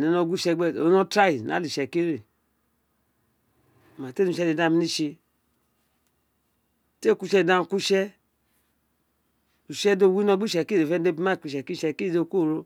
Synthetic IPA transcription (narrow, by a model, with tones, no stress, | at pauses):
nɛ˨no˧˨ɡʷu˦ʃɛ˧ɡ͡bɛ˦˨o˨˦no˦tɾa˦i˨na̰˨˦li˨ʃɛ˨ki˦ɾe˨ | ma˨te˦nu˧˨ʃɛ˧˦de˧˨da˧mi˧ni˦˧ʃe˧˨ | te˦˨ku˧ʃɛ˧˨da˧n˨ku˦ʃɛ˦ | u˨ʃɛ˦do˧˨wi˦no˧˨ɡ͡bu˦˨ɛ˨ki˦ɾe˨fɛ˧˦de˧pi˧˦ma˦˨ki˧ʃɛ˨ki˦ʃɛ˨ki˦˨do˧˨ku˦˨ɾo˧